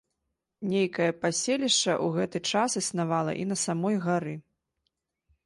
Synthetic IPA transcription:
nʲejkɐjɐpasʲelʲiʂt͡ʂɐ̰ʔuɣɛt̪ɨt͡ʂasɨsnavalˠɐ̰ʔin̪ɐsamɔjɣaɾɨ

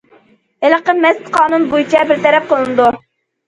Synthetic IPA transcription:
ɪləqənmɛst̪qʰɑːnunbujt͡ʃʰɛbɪɾt̪ɛɾɛp̚qəlˠɨnɨd̪u

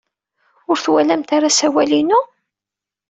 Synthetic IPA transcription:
ʊɾθwælæmt̪aɾasæwælinu

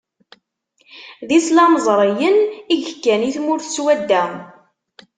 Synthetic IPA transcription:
ðislɑməzˤɾˤəjəniʝəkːæniθmʊɾθəswæd̪ːæm

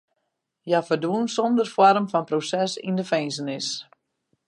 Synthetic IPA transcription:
jafərduənsɔndərfwɔrəmfɔnprosɛsḭndəfɛjnsənɪs

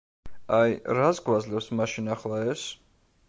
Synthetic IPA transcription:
ajɾasɡwad̪zlɛpsmaʃinaχlˠaɛs

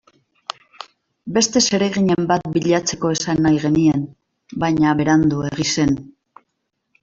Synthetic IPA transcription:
be̞st̪e̞se̞ɾe̞ɣ̞iɲe̞mbat̪biʎat͡se̞ko̞e̞sanːajɣ̞e̞nien | bajɲaβe̞ɾand̪ue̞ɣ̞ise̞n

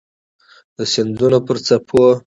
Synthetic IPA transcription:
d̪əsɪnd̪unopəɾt͡sapʰo

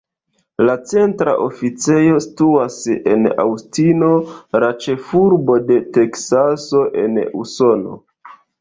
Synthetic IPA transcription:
lat͡se̞ntɾa̰ʔofit͡se̞jo̞si̥tuase̞̰na̰wstino̞ɾat͡ʃe̞fuɾbo̞de̞te̞ksaso̞ʔe̞̰nṵso̞no̞̰

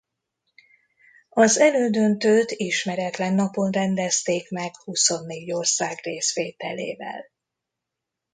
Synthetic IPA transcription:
ɒzɛløːd̪ønt̪øːt̪iʃmɛɾɛt̪lɛnːɒpo̞nrɛnd̪ɛst̪eːkmɛkhuso̞nːeːɟorsaːɡreːsʋeːt̪ɛlḛːvɛ̰l

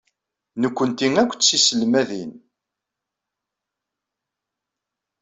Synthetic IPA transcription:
nəkʷːənt̪iŋækʷːt͡ssisəlmæðḭn

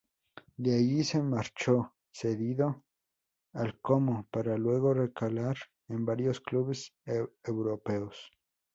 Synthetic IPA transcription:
d̪eajisemaɾt͡ʃo | seðiðo | alkomopaɾalweɣorekalaɾ | embaɾjoskluβesewɾopeos

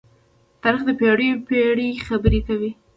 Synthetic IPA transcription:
t̪ɑɾixd̪əpeɽəjopeɽixabəɾekawi

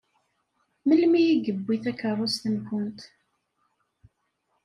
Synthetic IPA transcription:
məlmijiɡəbːiθækərˤːʊst̪ənkənt̪

